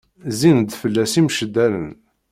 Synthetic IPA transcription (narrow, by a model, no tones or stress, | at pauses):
zinəd̪fəlːæsimʃəd̪ːælə̰n